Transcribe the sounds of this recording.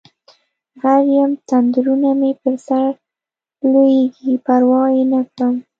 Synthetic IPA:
ɣaɾjamt̪and̪ɾunamepəɾsaɾ | lojeɡipaɾwɑjenakɽəm

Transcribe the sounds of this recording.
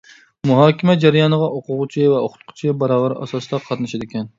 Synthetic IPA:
muɦɑːkʲɪmɛd͡ʒæɾɪjɑnəʁɑʔoqʊʁʊt͡ʃʰɪvɛoχʊt̪qʰʊ̥t͡ʃʰɪbɑɾɑːvæɾɑ̰sɑsɨd̪ɑqʰɑt̪nɨʃɛd̪ɪkʲɛn

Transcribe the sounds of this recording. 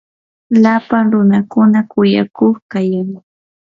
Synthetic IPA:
lapaŋɾʊnakʊnakʊjakoχkajaŋ

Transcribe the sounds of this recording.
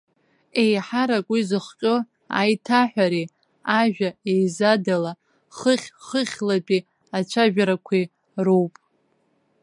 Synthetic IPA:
ejħaɾakʷʼizɨχqʲʼʊ | a̰jtʰaħᶣʷaɾi | aʒᶣaejzadala | χəχʲχəχʲlapʼi | at͡ʃʷʰaʒᶣaɾakʷʰi | rowpʼ

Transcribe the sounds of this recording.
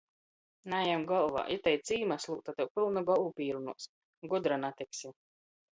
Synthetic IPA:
najamɡɔlˠva̰ːʔit̪ɛjt̪siːmaslˠṵːt̪at̪ɛwpilˠnuɡɔlˠupiːɾunṵɔs | ɡud̪ɾanat̪ɛksʲi

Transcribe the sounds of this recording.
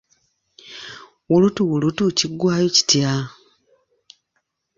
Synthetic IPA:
wulutuwulutuciɡwaːjoci̥tja

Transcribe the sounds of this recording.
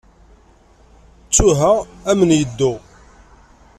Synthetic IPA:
t͡sːuɦææmənjəd̪ːu

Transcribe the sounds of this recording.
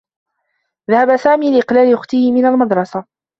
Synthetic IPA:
ðahabasaːmiːlɪʔɪqlaːlɪʔʊxt̪ɪhɪmɪnalmɑd̪ɾˤɑsa

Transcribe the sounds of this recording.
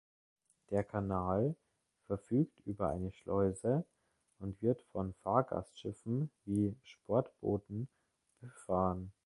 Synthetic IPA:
d̥eːɐkʰanaːl | fɛɐfyːktʔyːbɐʔa̰ɪnəʃlɔʏzə | ʔʊntv̥ɪɐtfɔnfaːɐɡa̰stʃɪfn̩viːʃpʰɔɐtb̥o̰ːtn̩ | b̥əfaːʁən

